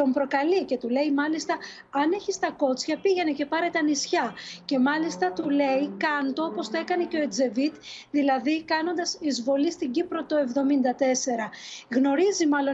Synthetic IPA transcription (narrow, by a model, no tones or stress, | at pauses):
t̪o̞mpɾokɐlice̞t̪ule̞imɐlist̪ɐ | ɐne̞çist̪ɐko̞t͡sçɐpiʝe̞ne̞ce̞pɐɾe̞t̪eɐnisçɐce̞mɐlist̪ɐt̪ule̞ikɐnt̪oopo̞st̪oe̞kɐne̞ceo̞ed͡ze̞vit̪ðilɐðikɐno̞nd̪ɐsizvo̞list̪iɲɟipɾo̞t̪o̞e̞vðo̞mind̪ɐt̪e̞se̞ɾɐɣno̞ɾizimɐlo̞